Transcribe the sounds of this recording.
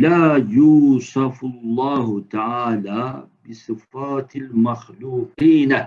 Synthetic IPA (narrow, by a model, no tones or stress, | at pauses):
laːjuːsˤɑfʊlˤːɑːɦʊt̪aʕaːlaː | bɪsˤɨfaːt̪almaxluːqiːn